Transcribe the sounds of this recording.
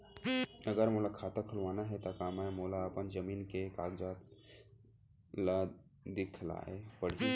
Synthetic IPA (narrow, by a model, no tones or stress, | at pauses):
əɡəɾmolakʰaːt̪akʰəlʋaːnaɦɛt̪akaːmamoːlaːpənd͡ʒəmiːnkekaːɡd͡ʒat̪ | la | d̪ɪkʰla̰epəɽ̤i